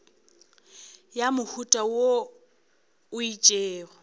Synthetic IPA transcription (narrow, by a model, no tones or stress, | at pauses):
jamʊhutʼawo | ʊit͡ʃʼeːrɔ